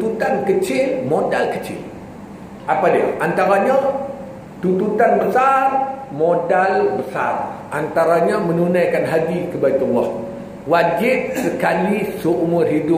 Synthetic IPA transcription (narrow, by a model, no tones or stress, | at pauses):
t̪ut̪ankət͡ʃɪlmodalkə̥t͡ʃɪ̰l | ʔapadiə̰ʔant̪aɾaɲa | t̪ut̪ut̪anbəsarmodalbəsa̰rʔant̪aɾaɲamənunajkanɦabikəbaik̪ɔnlɔh | wad͡ʒɪt̚səkalisəumʊrɦidʊ